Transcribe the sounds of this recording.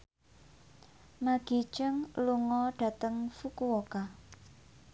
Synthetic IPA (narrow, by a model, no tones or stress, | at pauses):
maɡ̥i̤t͡ʃəŋluŋɔɖ̥a̤t̪əŋfukuwɔka